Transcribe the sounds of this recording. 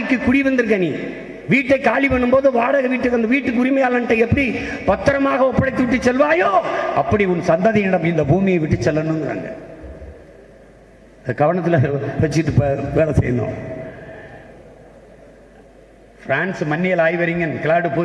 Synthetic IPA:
ɪkːɯkːʊɽiʋɐnd̪ɯɾɯkːɐniː | ʋiːʈːɐɪkaːlipɐɳːɯmboːðɯʋaːɽɐɣɐʋiːʈːɯʋɐnd̪ɐʋiːʈːɯkːʊɾɪmɐjaːlɐnʈːɐɪɛpːɐɽi | pɐt̪ːɐɾɐmaːɣɐɔpːɐɽɐɪt̪ːɯʋɪʈːɯt͡ʃːɛlʋaːjoːɐpːɐɽiʊnsɐnd̪ɐðiɪɽɐmɪnd̪ɐbuːmɪjɐɪʋɪʈːɯt͡ʃːɛlːɐnːɯnɡɪɾa̰ːŋɡɐ̰ | ðɐkɐʋɐɳɐt̪ːɪlɐʋɛt͡ʃːɪkɪʈːɯpʋeːɭɐsɛ̰jnd̪õ̰ː | fɾaːnsmɐnːɪjɐlaːjʋɐɾɪŋɡɐnkɪlaːɖɯpoː

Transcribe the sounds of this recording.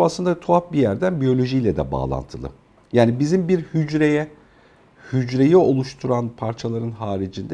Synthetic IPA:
aslˠɯnd̪at̪ʰuap̚bijæɾd̪ænbijo̞lʲo̞ʒijlʲɛd̪ɛba̰ːlˠa̰nt̪ʰɯlˠɯ̰ | jaːnibizimbiɾhyd͡ʒɾejɛ | hyd͡ʒɾe̞jio̞lˠuʃt̪ʰuɾanpʰaɾt͡ʃʰalˠaɾɯnɦaːɾid͡ʒind̪ɛ

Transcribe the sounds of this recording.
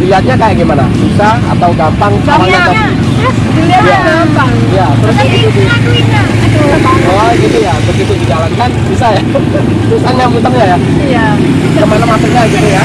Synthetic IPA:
liat̪̚ɲakajaɡajmana̰bisa | a̰t̪awɡampaŋt͡ʃalaŋat̪a | aaɡampaŋjat̪əɾust̪ibit̪ut̪u | aɡit̪ujabəɡit̪udid͡ʒalankanbisaja | saɲaŋmənt̪əŋɲaja | a | kəmanamasək̚ɲaɡit̪uja

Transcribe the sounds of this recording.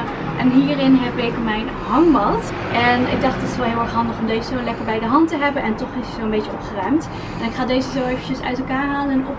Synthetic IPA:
ʔɛnɦiːrɪnɦɛpɪkmɛjn | ɦɑŋbɑlˠt | ʔɛnɪ̰ɡ̚dɑχtətɪ̥sʋɛlˠɦɪːlˠɛɹχɦɑndəχɔmdejzəzowlɛkəɹbɛjdəɦɑntəɦɛbənɛntɔχɪsizowənmbejt͡ʃəɔpχərœɥmt | ɛnɪkχaːdejzəzowejvənt͡ʃəsœ̰ɥtɛlˠkaːɹɦaːlənɛnɔp

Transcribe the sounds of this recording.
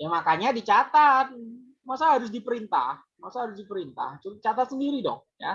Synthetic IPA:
jamakaɲadit͡ʃat̪at̪̚ | masaɦaɾʊs̬dipəɾint̪a̰h | masahaɾʊsdipəɾint̪a̰ht͡ʃult͡ʃat̪at̪səndiɾidɔ̰ŋ | ja̰

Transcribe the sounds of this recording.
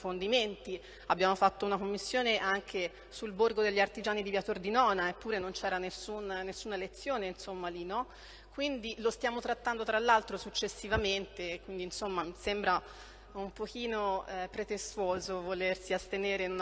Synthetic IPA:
fond̪iment̪i | abːjaːmofat̪ːounakomːisːjoːneʔaŋkʰe | sulborɡod̪eʎːiart̪id͡ʒaːnid̪ivjat̪ord̪inɔːnaepːuːɾenont͡ʃɛːɾanesːunːesːuːnaelet̪sːjoːneinsomːalinɔ | kːwind̪ilost̪jaːmot̪ɾat̪ːand̪ot̪ɾalːalt̪ɾosut͡ʃːesːivament̪ekwind̪iːnsomːamisembɾa | umpokiːnopɾet̪est̪uoːzovolersiast̪eneːɾeinun

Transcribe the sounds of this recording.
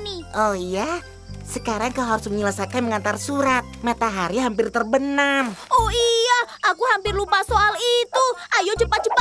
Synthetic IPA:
niʔɔhija | səkaɾaŋkalɦaɾusməɲəlasakanməŋant̪arsuɾat̪̚mat̪aɦaɾiɦampɪrt̪ərbənamɔhiaʔakuhampɪrlupasoʔalit̪uʔajod͡ʒəpḁd͡ʒəpa

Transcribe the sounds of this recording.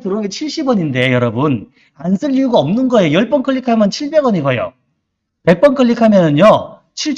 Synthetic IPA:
tɯɾoet͡ɕʰiɭɕ͈ibʌɲinde̞jʌɾʌbun | ansʰɯʎːiuɡaʌmnɯnɡʌjejʌɭp͈ʌnkʰʌʎːikʰamjʌnt͡ɕʰiɭbe̞ɡʌniɡʌjo̰ | pe̞k̚p͈ʌnkʰʌʎːikʰamjʌnɯnjo | t͡ɕʰiɭt͡ɕ

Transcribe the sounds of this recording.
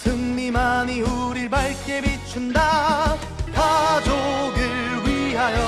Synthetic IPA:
sɯŋmimaɲiuɾiɭbaɭk͈emit͡ɕʰunda | kad͡ʑoɡɯɭɥiɦajʌ

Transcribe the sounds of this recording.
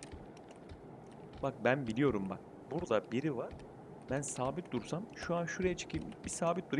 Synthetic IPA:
bak̚bænbilʲijo̞ɾumba̰k̚ | buɾd̪abiɾivaɾ̥ | bænsaːbit̪̚d̪uɾsamʃuanʃuɾejɛt͡ʃʰe̥cʰibisaːbit̪̚d̪uɾ

